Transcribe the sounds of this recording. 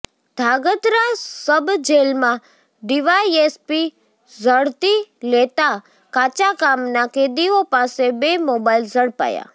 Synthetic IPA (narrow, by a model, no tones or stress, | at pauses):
d̪ʱaɡət̪ɾasəbd͡ʒelmã | ɖiʋaiespi | zəɽt̪ilet̪a | kat͡ʃakamnaked̪iopasebemobailzəɽpa̰ja̰